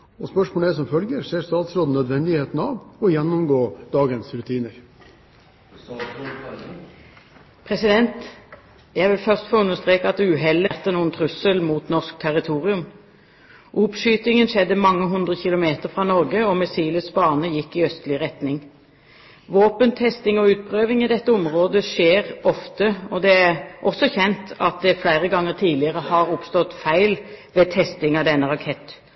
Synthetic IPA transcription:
ɔspœʂmoːld̪ɛsɔmfœlɡəɾseːst̪ɑːt̪sɾoːd̪n̩œd̪ʋɛnd̪ɪheːt̪n̩ɑːʋɔjɛnːʊmɡoːd̪ɑːɡənsɾʉt̪ʰiːnəɾ | pʰʁɛsɪd̪ɛnt̪ | jæʋɪlfœʁst̪foːʉnːəʁst̪ʁeːkəɑt̪ʉɦɛlɛʁt̪ənuːənt̪ʰʁʉsəlmuːt̪nɔʁsk̚t̪ʰɛʁɪt̪ʰuːʁɪʉm | ʔʊpʃyːt̪ɪŋənʃɛd̪ːəmɑŋːəɦʉnd̪ʁəçɪlʊmeːt̪əʁfʁɑnɔɾɡəɔmɛsiːləsbɑːʁnəjɪkːɪœst̪lɪʁɛt̪nɪŋ | ʋoːpənt̪ʰɛst̪ɪŋɔʉːt̪̚pʰʁøːʋɪŋɪd̪ɛt̪ːəʊmʁoːd̪əʃeːʁɔft̪əɔd̪ɛæʁʔɔsɔçɛnt̪ɑt̪̚d̪ɛflæɪʁəɡɑŋːəʁt̪ʰiːd̪lɪəʁəhɑʁʊpst̪ɔt̪fæɪlʋet̪ʰɛst̪ɪŋɑd̪ɛnːəʁɑkʰɛt̪ː

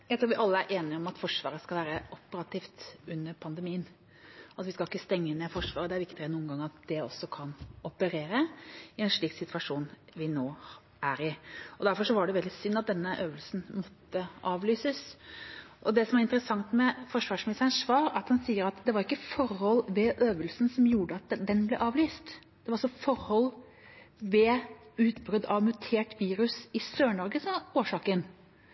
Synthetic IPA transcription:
jæɪt̪ɾuːʋɪʔɑlːəæɾʔeːnɪɔmɑt̪fɔʂʋɑ̰ːɾəskɑlʋæːɾəʔɔpːəɾɑt̪ʰiːft̪ʉnːəɾpʰɑnd̪ɛmiːən | ʔɑt̪ʋɪskɑlɪkːəst̪ɛŋːənefɔʂʋɑːɾəd̪ɛæɾʋɪkt̪ɪɛnuːnɡɑŋəɾɑt̪̚d̪̥ɛɔ̰sːɔkʰɑnɔpəɾeːɾəɪɛnʂɭiːksɪt̪ʰʉɑʂuːnʋɪnoː | æɾɪɔd̪æɾfɔɾʂɔʋɑɖɛʋɛld̪ɪsʏnːɑt̪̚d̪ɛnːəʔøːʋəlsn̩mɔt̪ːəʔɑːʋlyːsəs | ʔɔd̪ɛsɔmæɾɪnt̪əɾəsɑŋt̪mɛfɔʂʋɑːʂmɪnɪst̪ənsʋɑːɾɑt̪hɑnsiːəɾɑt̪d̪ɛʋɑɾɪkːəfɔɾhɔlːʋɛʔøːʋəlsən̩sɔmjuːɖəɑt̪̚d̪ɛnblɛ̰ʔɑːʋlyːst̪ | d̪̥ɛʋɑɾɑsɔfɔɾhɔlː | ʋɛʉːt̪bɾʉd̪ɑʋmʉt̪ʰeːʈʋiːɾʉsɪsøːɳɔɾɡəsɔmɑoːʂɑːkən

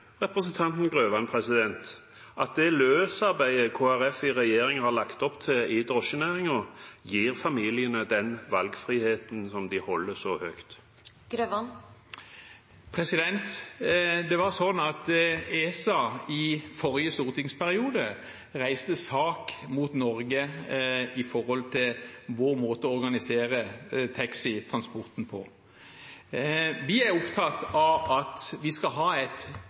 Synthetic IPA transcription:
ʁɛpɾəsənt̪ʰɑnt̪n̩ɡʁøːʋɑnpʰʁɛsɪd̪ɛnt̪ | ʔɑt̪̚d̪ɛløːsɑɾbæɪəkʰoːæɾɛfɪʁɛjeːɾɪŋhɑɾlɑkt̪ɔpt̪ʰɪɪd̪ʁɔʃənæːʁɪŋɔjiːɾfɑmiːlɪənəd̪ɛnʋɑlɡfʁiːheːt̪nsɔmd̪ɪhɔlːəsɔhœkt̪ | ɡ̥ɾøʋɑn | pʰʁɛsɪd̪ɛnt̪ | d̪ɛʋɑʁsɔnɑt̪eːsɑɪfɔɾjəst̪uːʁt̪ɪŋspʰæʁɪuːd̪ə | ʁæɪst̪əsɑːkmuːt̪nɔʁɡə | ɪfɔɾhɔlt̪ʰɪlʋoːʁmoːt̪əɔɔɾɡɑnɪseːɾət̪ʰɑksɪt̪ʰʁɑnspɔʁt̪n̩pʰɔ̰ | ʋɪæʁʊpt̪ʰɑt̪ɑʋɑt̪ʋɪskɑlɦɑːɛt̪

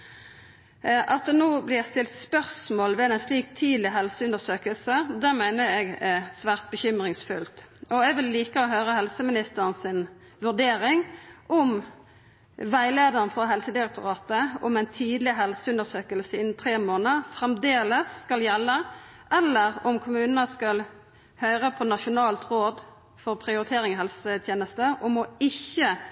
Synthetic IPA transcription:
ʔɑt̪̚d̪ɛnoːblɪst̪ɪlt̪spœʁsmoːlʋɛɛnsliːk̚t̪ʰiːd̪lɪɦɛlsəʉnd̪əsøːkəlsəd̪æːʁmæɪnəɛɡɛsʋæːʁt̪̚bəçʏmʁɪŋsfʉlt̪ɔɛɡʋɪlːiːkəɔɦøːʁəhɛlsəmɪnɪst̪əʁənsɪn | ʋʉʁd̪eːɾɪŋʔɔm | ʋæɪleːd̪əʁnfʁɑɦɛlsəd̪ɪʁɛk̚t̪ʊʁɑːt̪əɔ̰mæɪnt̪ʰiːd̪lɪɦɛlsəʉnd̪əʁsøːkəlsɪnt̪ʰɾeːmoːnəʁfɾɛmd̪eːləsːkɑljɛlːə | ʔɛlːəʁɔmkʰʊmʉːnənəskɑl | hœʏʁəpʰɔnɑʃʊnɑːlt̪ʁoːd̪ | fɔʁpʰɾɪʊɾɪt̪ʰeːʁɪŋhɛlsət̪ʰjeːnəst̪əʔɔmɔɪçːə

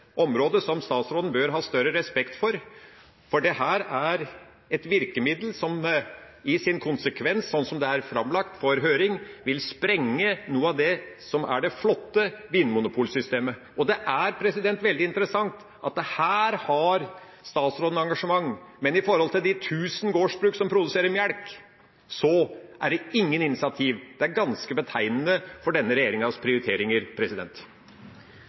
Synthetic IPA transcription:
ʔɔmɾoːd̪əsɔmst̪ɑːt̪sɾoːd̪n̩bøːɾɦɑːst̪œɾəɾɛspɛkt̪fɔɾ | fɔɖɛhæːɾæɾ | ɛt̪ʋɪɾkəmɪd̪lsɔm | ɪsɪnkʰʊnsəkʰʋɛnssɔnːsɔmd̪ɛæɾfɾɑmlɑkt̪fɔɾɦøːɾɪŋʋɪlspɾɛŋːənuːəɑd̪ɛsɔmæ̰ɖɛflɔt̪ːəʋiːnːmʊnʊpʰuːlsʏst̪eːmə | ɔd̪ɛʔæɾpʰɾɛsɪd̪ɛnt̪ʋɛld̪ɪɪnt̪əɾəsɑŋt̪ | ʔɑt̪̚d̪ɛhæːɾhɑɾ | st̪ɑːt̪sɾoːd̪ənəɑŋɡɑʂəmɑŋːmɛnɪfɔɾhɔlt̪ɪld̪ɪt̪ʰʉːsn̩ɡoːʂbɾʉːksɔmpʰɾʊd̪ʉseːɾəɾmjæɽk | sɔʔæɖɛɪŋːənɪnɪsɪɑt̪ʰiːʋd̪̥ɛæɾɡɑnskəbət̪ʰæɪnənəfɔɖɛnːəɾɛjeːɾɪŋɑspʰɾɪʊɾɪt̪ʰeːɾɪŋəɾpʰɾɛsɪd̪ɛ̰nt̪

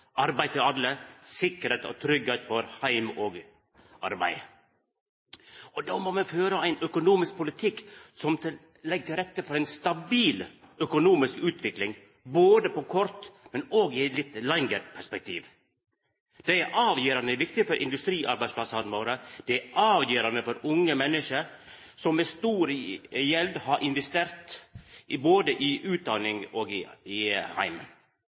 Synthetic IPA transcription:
ʔɑɾbæɪt̪ʰɪɑlːəsɪkːəɾet̪ɔ̰t̪ʰɾʏɡeːt̪fɔɾhæɪmoːɡ | ʔɑ̰ɾbæ̰ɪ | ɔd̪oːmoːmɛføːɾəæɪnœkʊnuːmɪsk̚pʰʊlɪt̪ʰɪkːsɔmt̪ʰɪ | lɛɡ̚t̪ʰɪlɾɛt̪ːəfɔɾæɪnst̪ɑbiːlœkʊnuːmɪskʉːt̪ʰʋɪklɪŋ | boːd̪əpɔkʰɔɾt̪mɛnoːɡɪɛt̪lɪt̪lɛŋəɾpʰæʂpɛk̚t̪ʰiːʋ | d̪̥ɛæɾʔɑːʋjiːɾɑnəʋɪkt̪ɪfɔɾʔɪ̰nd̪ʉst̪ɾiːʔɑɾbæɪspʰlɑsɑd̪moːɾəd̪̥ɛæɑːʋjiːɾɑnəfɔɾʊŋːəmɛnːəʂəɾ | sɔmːɛst̪uːɾjɛld̪hɑɾʔɪnʋɛst̪eːɾt̪ʔɪboːd̪əʔɪʔʉːt̪̚d̪ɑnɪŋoːɡɪɪhæ̰ɪmə̰n

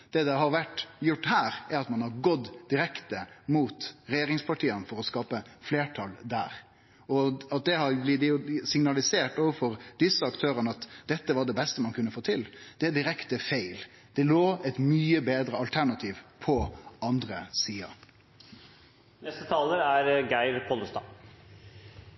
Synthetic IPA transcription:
d̪̥ɛd̪ɛɦɑɾʋæʈːjʊʈːhæːɾæɾɑt̪mɑnhɑɾɡɔd̪d̪ɪɾɛkt̪əmuːt̪ɾɛjeːɾɪŋspʰɑʈʰiːənfɔɾɔskɑːpəfleːʈʰɑld̪æ̰ːɾ | ɔɑt̪̚d̪ɛɦɑɾblɪd̪ɛʊsɪŋnɑlɪseːʈɔːʋəfɔɾd̪̥ɪsəɑkt̪ʰøːɾənəɑt̪d̪ɛt̪ːəʋɑɖ̪ɛbɛst̪əmɑnkʰʉnːəfoːt̪ʰɪld̪̥ɛd̪ɪɾɛkt̪əfeɪl | d̪̥ɛloːɛɪt̪myːəbeːd̪ɾəɑlt̪ʰæɾɳɑt̪ʰiːʋpʰɔɑnd̪ɾəsiːɑ̰ | nɛst̪ət̪ʰɑːləɾæɾɡæɪɾpʰɔləst̪ɑ̰ː

